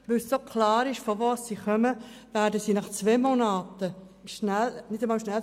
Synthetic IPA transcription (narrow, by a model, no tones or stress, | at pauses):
ʋʏlssokʰlɑːɾɪʃfovoːssiːχœməvæːɾdəsiːnɑχt͡sʋeːmonaːtə | ʃnælnɪdəmɑːlʃnɛl